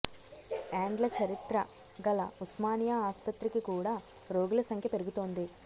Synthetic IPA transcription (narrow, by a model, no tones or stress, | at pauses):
aːɳɖlɐt͡ʃɐɾit̪ɾɐ | ɡɐlɐ̰usmaːnjaaːspɐt̪ɾikikuːɽaː | ɾo̞ːɡulɐsɐŋkʰjɐpe̞ɾuɡut̪o̞ːnd̪i